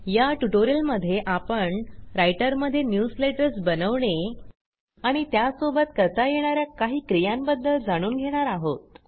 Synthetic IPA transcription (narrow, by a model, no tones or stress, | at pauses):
jaʈuʈoɾijəlməd̪ʱjeʔapəɳɾajʈəɾməd̪ʱːjenjusleʈəɾsbənəʋɳe | aɽ̃it̪jasobət̪kəɾt̪ajeɽ̃aɾjakaɦiːkɾijãmbəd̪ʱːəld͡zaɽ̃uːnɡʱeɽ̃aɾaɦot̪̚